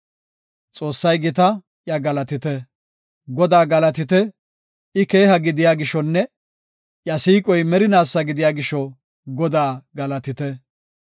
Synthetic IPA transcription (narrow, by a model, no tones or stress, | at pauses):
t͡sʼo̞ːsːɐjɡɪt̪ɐ | ʔjɐɡɐlɐt̪ɪt̪ɛ | ɡɔd̪aːɡɐlɐt̪ɪt̪ɛ | ɪke̞ːhɐɡɪd̪ɪjaːɡɪʃɔnːɛ | jɐsiːkʼɔjmɛɾɪnaːsːɐɡɪd̪ɪjaːɡɪʃɔ | ɡɔd̪aːɡɐlɐt̪ɪt̪ɛ